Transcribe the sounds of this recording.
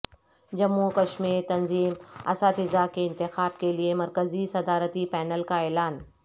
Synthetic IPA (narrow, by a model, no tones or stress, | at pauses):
d͡ʒɐmːukɐʃmiːɾt̪ɐnziːmɐ̰saːt̪ɪzakeɪ̃nt̪ɪxaːb̚keliemɐɾkəzisɐd̪aːɾət̪ipɛːnəlkaɛːlaːn